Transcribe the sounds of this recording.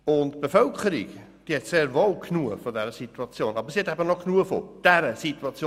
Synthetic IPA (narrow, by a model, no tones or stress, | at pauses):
ʊntb̥efœlkʰəɾḭk | d̥iəhɛtseːɾvolkʰnuəfodɛɾəsituɑt͡sjoːnɑbəɾsihɛtæbənoknuəfo̰d̥ɛɾəsit̪uɑt͡sjo